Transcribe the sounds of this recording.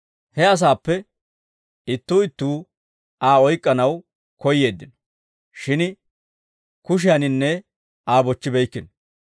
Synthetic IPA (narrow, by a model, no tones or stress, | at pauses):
hɛɐs̬aːpːɛ | ɪt̪ːuːɪt̪ːuː | aːɔjkʼːɐnɐw | kɔjːe̞ːd̪ːɪnɔ̥ | ʃɪn | kʊʃ̬ɪjɐnɪnːɛ | aːbɔt͡ʃːɪbɛjkːɪnɔ